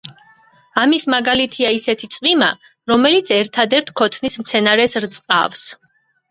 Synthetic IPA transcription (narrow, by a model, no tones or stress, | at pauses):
amismaɡalit̪ʰiaisɛt̪ʰit̪sʼvima̰ | ɾɔmɛlit̪sʰɛɾt̪ʰad̪ɛɾt̪ʰkʰɔt̪ʰnismt̪sʰɛnaɾɛsɾt̪sʼqʼa̰fs